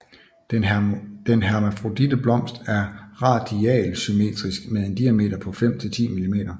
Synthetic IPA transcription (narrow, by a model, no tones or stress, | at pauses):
d̥enɦæɐmæfʁo̝d̥id̥əb̥lɒ̽m̰sd̥æɐʁɑ̈d̥iɛ̰ːlsyme̝̰ːd̥ʁisɡ̥meðˠe̝nd̥iæme̝̰ːd̥ɐpʰɒ̽fem̰t͡sʰe̝t͡sʰḭːmilime̝̰ːd̥ɐ